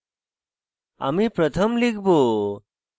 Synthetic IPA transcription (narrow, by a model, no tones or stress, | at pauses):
a̰mipɾət̪ʰəmlikʰbo